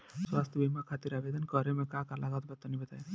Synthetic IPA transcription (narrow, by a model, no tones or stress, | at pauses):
swast̪ʰəbimakʰat̪iɾaʋed̪ənkəɾemɛ̃kakalaɡat̪bət̪ːənibət̪aj